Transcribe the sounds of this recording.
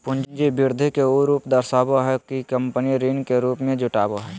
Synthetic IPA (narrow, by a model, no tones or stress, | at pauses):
pʊ̃nd͡ʒnd͡ʒibiɾd̪ʱikeoɾuːpd̪əɾsaːboɦɛkikəmpəniɾiːnkeɾuːpmẽd͡ʒʊʈaːboɦɛː